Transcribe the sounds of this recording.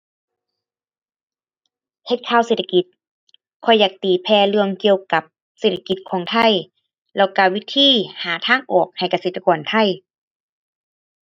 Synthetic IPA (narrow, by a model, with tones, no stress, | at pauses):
he˧t̪̚kʰaː˧˥˨wseː˧˩t̪ʰa˧ki˧˦t̪̚ | kʰɔ˧˩jːaː˨˩k̚t̪iː˨˩pʰɛː˧lɯ˧əŋki˧əwka˧˦p̚ | seː˧˩t̪ʰːa˧ki˧˦t̪̚kʰɔː˨˦ŋt̪ʰa˧˩˨j | lɛ˧˩wkaː˧˩wi˧˥t̪ʰiː˧˥˨haː˨˦t̪ʰaː˧˥˨ŋʔɔː˨˩k̚ha˨˩jka˧seː˧˩t̪ʰa˧kɔː˨˩nt̪ʰa˧˥˨j